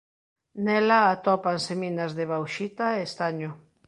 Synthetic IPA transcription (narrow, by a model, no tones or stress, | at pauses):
nɛlaːt̪ɔpanseminazðeβ̞awʃit̪aeːst̪aɲʊ